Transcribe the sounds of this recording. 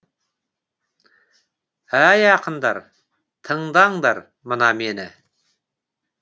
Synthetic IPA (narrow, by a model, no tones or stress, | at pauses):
æjɑqənd̪ɑɾ | t̪ʰəɴd̪ɑɴd̪ɑɾ | mənɑmenɪ